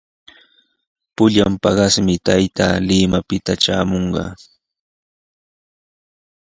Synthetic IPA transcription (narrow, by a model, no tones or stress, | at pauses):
pʊʎampɑɢɑsmɪt̪ajt̪aːlɪmapɪt̪aʈ͡ʂaːmoɴɢɑ̰